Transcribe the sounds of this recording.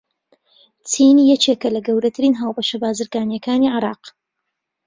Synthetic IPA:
t͡sʰiːnijɛt͡ʃeːkɐlɐɡɐwɾɐt̪ʰɨɾiːnɦaːwbɐʃɐbaːzɨɾɡaːnjɐkaːniʕɪɾɑːq

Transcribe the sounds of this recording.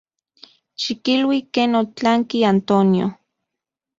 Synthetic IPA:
ʃikilwikeːnot͡ɬaŋkiant̪onjo̰

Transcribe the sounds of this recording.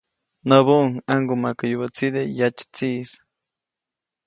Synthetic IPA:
nəβuʔŋaŋɡomakəjubat͡sid̪ejat͡ʃt͡siʔs

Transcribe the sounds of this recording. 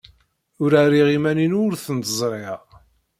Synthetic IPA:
ʊɾariʁimæninʊɾθənt̪əzˤɾˤeʁ

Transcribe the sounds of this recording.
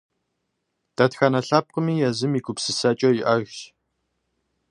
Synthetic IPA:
d̥ɐtxanɐɬɐːp̚qəmiːjɐzɨmiːɡʷʊpsɨsɐt͡ʃʼɐjiʔɐɣɕ

